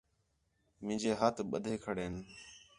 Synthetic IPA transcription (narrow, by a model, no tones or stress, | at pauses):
mɪ̃ːɲd͡ʒeːɦaːt̪ʰɓə̰d̪ʱeːkʰəɽeːn